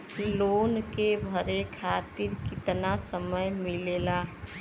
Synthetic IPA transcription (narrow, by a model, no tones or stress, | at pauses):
loːnkebʱəɾekʰat̪iɾkɪt̪nasəməjmilela